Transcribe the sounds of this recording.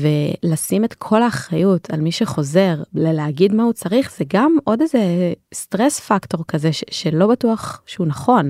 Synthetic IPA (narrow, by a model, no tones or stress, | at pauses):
velasimetkʰo̞laːχʁajutʰalmiʃeχo̞ze̞ʁleleaɡidmahut͡saʁiχz̥eɡamʔo̞dezestʁesfakto̞ʁkaze̞ʃʃe̞lo̞batuaχʃeunaχo̞n